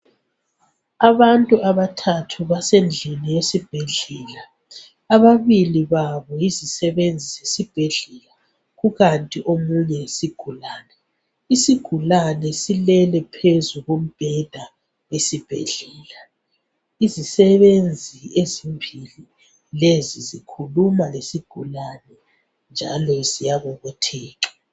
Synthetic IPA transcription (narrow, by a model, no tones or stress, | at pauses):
aβantʼuaβatʰatʰuβasend͡ɮʱinijesib̥ʱeɮɛːla | aβaβiliβaβɔjizisɛβend͡zʱizesib̥ʱeɮɛla | ɣuɣantʼiʔomuɲɛsiɡ̥ʱulaːnɛ | isiɡ̥ʱulanɛsilɛlɛpʰezuɣum̩b̥ʱɛd̥ʱa | wesib̥ʱɛ̰ɮɛːla | izisɛβend͡zʱiezimbʱili | lezizikʰulumalesiɡ̥ʱulanɛ | nd͡ʒʱa̰lɔzijaɣɔɣɔtʰɛːǁa